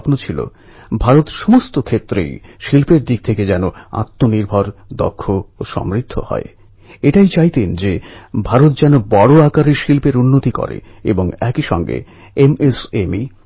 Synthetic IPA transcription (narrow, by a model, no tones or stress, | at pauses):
pnot͡ɕʰilo̰ | bʱaɾot̪ʃomost̪okʰet̪ːɾḛjʃilpeɾd̪ik̚t̪ʰeked͡ʑɛnoa̰t̪ːoniɾbʱaɾd̪ɔ̰kʰːooʃɔ̰mɾid̪ʱːo̰hɔ̰e | eʈajt͡ɕajt̪end͡ʑebʱaɾot̪̚d͡ʑɛnobɔɽoakaɾiʃilpeɾunːot̪ikɔ̰ɾḛ | ḛboŋɛkiʃɔ̰ŋɡḛ | emesemi